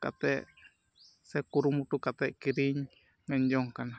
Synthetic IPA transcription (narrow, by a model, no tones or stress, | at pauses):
ka̰t̪ɛ | sekuɾumuʈ̪ukat̪ɛʔkiɾiɲ | mɛɲd͡ʒoŋkana